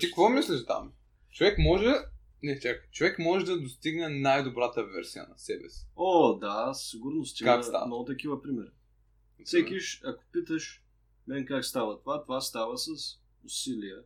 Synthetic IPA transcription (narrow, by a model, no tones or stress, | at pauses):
t̪ikkvɔmislɛʃt̪a̰m | t͡ʃovɛkmɔʒɛ | nɛt͡ʃakt͡ʃovɛkmɔʒɛd̪ɐd̪ost̪iɡnɛnajd̪obɾat̪ɐvɛ̰ɾsijə̰nɐsɛbɛ̰si̥od̪assiɡʊɾnost̪ikakst̪a̰not̪ɐkivəpɾimɛɾ | sɛkʲiʃɐko̥pit̪əʃ | mɛnkakst̪avɐt̪ovat̪ovast̪avəsɐs | ʊsiliə